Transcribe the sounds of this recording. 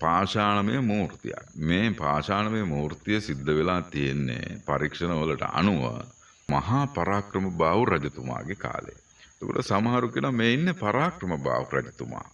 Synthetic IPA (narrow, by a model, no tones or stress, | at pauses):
paːʃaːnɐmejəmuːrt̪ḭja̰kmeːpaːʃaːɳɐmejmuːɾt̪ijəsid̪ːəʋelaːt̪ijenːḛpɐɾikʂɐnəʋəlɐʈə̰ʔɐ̰nuʋə̰ | mɐɦaːpɐɾaːkɾɐməbaːʋuɾɐd͡ʒɐt̪uma̰ːɡeka̰ːlḛ | t̪okoʈəsɐmɐɦaɾukenɐmeːinːepɐɾaːkɾɐməba̰ːʋuɾɐ̰d͡ʒɐt̪uma̰ː